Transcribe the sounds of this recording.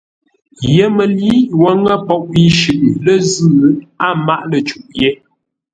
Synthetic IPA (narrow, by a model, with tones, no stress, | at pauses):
jə˦mə˨li˦ʔwə˨˦ŋə˦pɔ˦˨ʔi˦ʃʉ˨ʔlə˦zɨː˦˨˦a˦ma˦˨ʔlə˨t͡ʃu˨ʔjɛ˦